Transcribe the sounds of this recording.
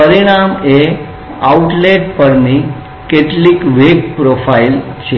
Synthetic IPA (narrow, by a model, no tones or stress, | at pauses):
əɾiɽ̃ame | auʈleʈpəɾni | keʈliːkʋekpɾofailt͡ɕʰe